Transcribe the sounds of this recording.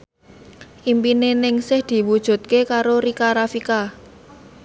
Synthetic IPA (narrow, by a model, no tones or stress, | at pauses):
ʔimpinenɪŋsɪhd̪̥i̤wud̥ʒ̥ṳt̪̚kekaɾoɾikaɾafika